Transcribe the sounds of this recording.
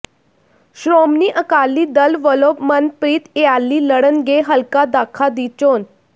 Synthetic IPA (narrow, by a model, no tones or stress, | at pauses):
ɕɾomniːʔəkalːiːd̪əlʋəlopmənpɾiːt̪ealːiːləɽənɡeɦəlkad̪akʰad̪it͡ɕon